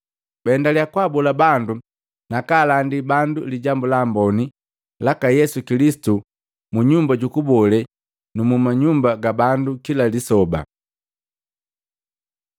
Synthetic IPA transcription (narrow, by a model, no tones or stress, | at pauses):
bɛndalijakwabɔlabandu | nakaːlandibanduliɟambulambɔni | lakajɛsukilisi̥tu | muɲumbaɟukubɔlɛ | numumaɲumbaɡabandukilalisɔba̰